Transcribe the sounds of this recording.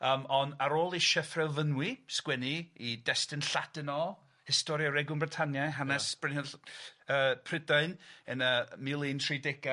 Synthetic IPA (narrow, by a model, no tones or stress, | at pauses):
əːmɔnaɾoːlˠiʃɛfrɛlˠvənwiskwɛniidɛstɪnɬad̥ɪnɔ | hɪstɔɾjaɾɛɡʊnmbrɪtʰanjajɦanɛsb̥rɪnɛ | əːpʰrɪdaɨnənəmɪlˠintʰridɛɡa